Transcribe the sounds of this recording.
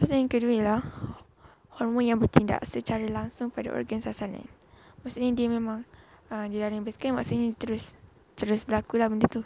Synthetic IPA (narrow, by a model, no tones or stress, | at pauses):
maʔsuaŋkəduəlah | hɔrmɔ̃njaŋbərt̪inda̰ʔsət͡ʃaɾalaŋsʊŋpada̰ʔɔ̰rɡansasana̰n | maʔsuɲadiəmẽmãŋəmdilaɾaŋbəskama̰ʔsuɲadit̪əɾʊs | t̪əɾʊsbəlakulahbəndət̪u